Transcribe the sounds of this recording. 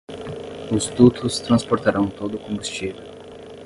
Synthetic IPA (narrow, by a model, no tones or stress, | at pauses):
ʊzt̪ut̪ʊst̪ɾɐ̃spoɾt̪aɾɐ̃w̃t̪od̪ʊkõmbust͡ʃivew